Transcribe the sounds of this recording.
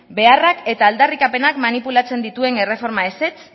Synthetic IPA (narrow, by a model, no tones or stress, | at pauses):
be̞arake̞t̪aːld̪arikape̞nakmanipulat͡se̞nd̪it̪ue̞ne̞re̞fo̞ɾmae̞se̞t͡s